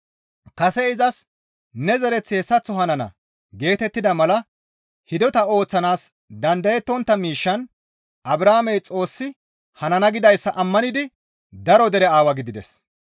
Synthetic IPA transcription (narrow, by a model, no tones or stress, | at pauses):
kɐsɛɪzɐs | nɛzɛɾɛt͡sːeːsːɐt͡sːɔɦɐnɐnɐ̰ | ɡe̞ːt̪ɛt̪ːɪd̪ɐmɐlɐ | hɪd̪ɔt̪ɐo̞ːt͡sːɐnaːs | d̪ɐnd̪ɐjɛt̪ːɔnt̪ːɐmiːʃːɐn | ʔɐbɾaːmɛjt͡sʼo̞ːsːɪ | hɐnɐnɐɡɪd̪ɐjsːɐʔɐmːɐnɪd̪ɪ | d̪ɐɾɔd̪ɛɾɛaːwɐɡɪd̪ɪd̪ɛs